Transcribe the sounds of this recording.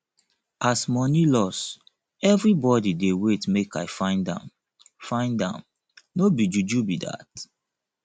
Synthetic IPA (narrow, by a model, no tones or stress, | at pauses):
asmɔnilɔs | ɛvɹibɔdidewetmekaɪfãɪ̃ndã̰m | fãɪ̃ndã̰m | nobid͡ʒud͡ʒubida̰t